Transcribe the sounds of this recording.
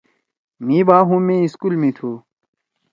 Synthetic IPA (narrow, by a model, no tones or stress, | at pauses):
mĩːbaːɦũmẽiskuːlmĩt̪ʰu